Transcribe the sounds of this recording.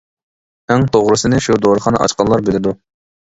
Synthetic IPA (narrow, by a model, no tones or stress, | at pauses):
æŋt̪ʰoʁɾɨsɨnɨʃud̪oɾəχɑnɑ̰ʔɑ̰t͡ʃqɑlːˠɑɾbɪlɪd̪u